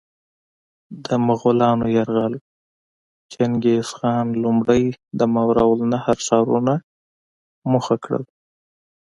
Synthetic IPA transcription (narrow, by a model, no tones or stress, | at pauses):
d̪əmaɣʊlɑnojaɾɣal | t͡ʃanɡesxɑnlumɽəjd̪əmawɾawlnahaɾsɑɾuna | muxakɽə̰l